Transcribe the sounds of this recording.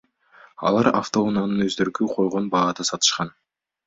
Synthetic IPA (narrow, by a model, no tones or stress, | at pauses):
ɑ̰lˠɑɾa̰ft̪o̞unanɯnøzd̪øɾɡyqʰo̞jʁo̞nbɑːd̪ɑsɑt̪ɯ̥ʃqɑn